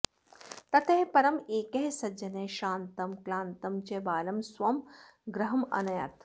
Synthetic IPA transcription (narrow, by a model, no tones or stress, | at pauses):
t̪ɐt̪eɦpɐɾɐmeːkɐɦsɐd͡ʒɐneːʃaːnt̪ɐmklaːnt̪ɐmt͡ʃebaːlɐmswɐmɡɾɐɦɐmɐ̰nɐjɐ̰t̪